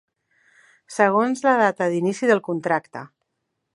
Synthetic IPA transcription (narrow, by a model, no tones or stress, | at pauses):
səɣ̞onzləð̞at̪əðinisiðəlˠkunt̪ɾakt̪ə